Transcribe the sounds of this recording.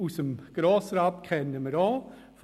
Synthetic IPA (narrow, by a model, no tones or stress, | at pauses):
usəmɡ̥ɾoːsɾɑb̚kʰɛnəməɾoː | f